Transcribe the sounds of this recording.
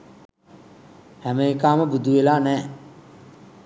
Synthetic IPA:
hæməekaːməbud̪uʋelaːnɛː

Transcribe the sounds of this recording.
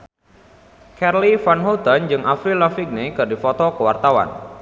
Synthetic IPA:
kɛrlifanɦut̪ənd͡ʒɨŋʔafɾilafik̚nikɨrdifɔt̪ɔkəwart̪awa̰n

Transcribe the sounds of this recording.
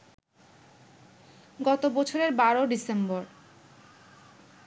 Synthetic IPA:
ɡɔt̪obɔt͡ɕʰoɾeɾbaɾoɖisemboɾ

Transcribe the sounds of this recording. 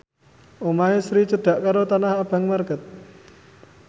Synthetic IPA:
ʔomaɦesɾit͡ʃəɖ̪̥a̤ʔkaɾot̪anahab̥a̤ŋmarkət̪̚

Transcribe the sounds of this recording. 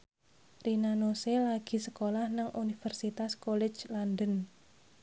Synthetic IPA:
rinanoselaɡ̥i̤səkolahnəŋʔunifərsit̪askolɛ̥d͡ʒland̪ən

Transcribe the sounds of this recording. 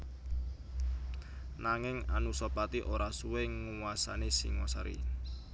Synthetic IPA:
naŋɪŋanusɔpat̪iʔoɾasuwɪŋːuwasa̰nesḭŋwasaɾḭ

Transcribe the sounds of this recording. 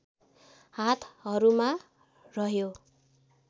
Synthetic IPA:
hat̪ʰɦʌɾuma | rʌɦjo

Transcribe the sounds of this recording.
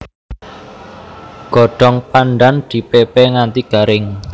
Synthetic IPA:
ɡ̥ɔ̤ɖ̥ɔŋpanɖand̪̥i̤pepɛŋant̪iɡ̥a̤ɾɪŋ

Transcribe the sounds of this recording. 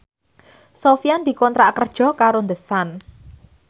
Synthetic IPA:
sofiand̥̪i̤kɔnt̪ɾaʔkərd̥ʒ̥ɔ̤kaɾond̪əsan

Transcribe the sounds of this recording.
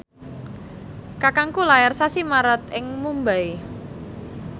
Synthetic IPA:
kakaŋkulajarsasimaɾət̪ɪŋmumbaj

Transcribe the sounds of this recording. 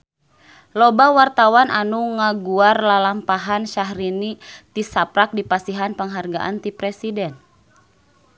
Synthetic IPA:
lɔbawart̪awanʔanuŋaɡuarlalampaɦanʃaɦɾinit̪isapɾak̚dipasiɦanpəŋɦarɡaʔa̰nt̪ipɾɛsidɛn

